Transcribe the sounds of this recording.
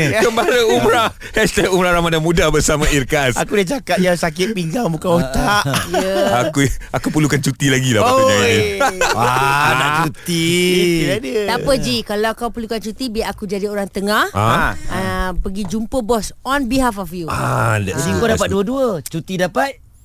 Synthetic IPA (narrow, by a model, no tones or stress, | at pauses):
ɡəmbaɾəumɾa | hɛst̪ɛkumɾaɾamadamudahbəsamãirkasakudat͡ʃakat̪̚jaŋsakɪt̪̚piŋɡaŋbukanwɔt̪aʔjəakuakupəlukant͡ʃut̪ilaɡila̰aaaaanaʔt͡ʃut̪i | dəapəd͡ʒikalawakawpəlukant͡ʃut̪ibiakud͡ʒadioɾaŋt̪əŋah | pəɡid͡ʒumpəbɔsɔnbiɦafɔfjuat̪iŋkodapat̪duəduət͡ʃut̪idapat̪̚